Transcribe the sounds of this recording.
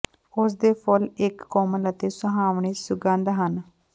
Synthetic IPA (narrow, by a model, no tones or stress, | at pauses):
ʊs̬d̪eːpʰʊlɪkːɔːmələt̪eːsʊɦaːʋɳiːsʊɡə̃nd̪ɦən